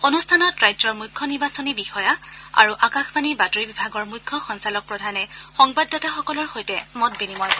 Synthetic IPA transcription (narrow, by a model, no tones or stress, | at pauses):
onustʰanɔtɹajzɔɹmujkʰːɔniɹbasɔnibixɔjaa̰ɹuʔakaxbaniɹbatoɹibibʱaɡɔɹmukʰːɔxɔnsalɔk̚pɹɔdʱanɛxɔŋbadːɔtaxɔkɔlɔɹxojtɛmɔt̚benimɔɹ